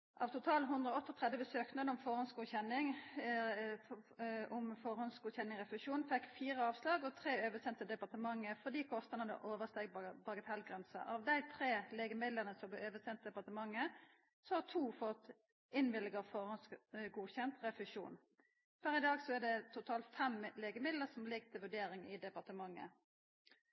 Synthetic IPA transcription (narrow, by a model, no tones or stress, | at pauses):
ʔɑʋt̪ʰʊt̪ʰɑːlɦʉnd̪ʁɔɔt̪ːɔt̪ʰʁɛd̪ʋəbəsøːknɑɔmfɔʁhɔnsɡuːçɛnːɪŋ | ɔmfɔɾhɔnsɡuːçɛnːɪŋʁɛfɪʂuːnfɛkːfiːʁəɑːʋslɑːɡɔt̪ʰʁeːøːʋəsɛnt̪ːəd̪ɛpɑʁt̪əmɑŋːəfɔd̪iːkʰɔst̪əʁnəd̪ə̰ʔoːʋəst̪ɛɡbɑɡət̪ʰɛlɡʁɛnsəʔɑʋd̪æɪt̪ʰʁeːleːɡəmɪd̪ləʁnəsɔb̪ɛøːʋəsɛnt̪̚ːd̪ɛpɑʁt̪əmɑŋːə | sɔhɑt̪ʰuːfɔt̪ | ɪnʋɪlɡəʁfɔʁhɔnsɡuːçɛnt̪ʁɛfɪʂṵːn | fɔɾɪd̪ɑːɡsɔɛd̪ɛt̪ʰʊt̪ʰɑːlt̪fɛmleːɡəmɪd̪ləsɔmlɪɡt̪ʰɪlʋʉɖeːɾɪŋɪd̪ɛpɑʁt̪əmɑŋːə̰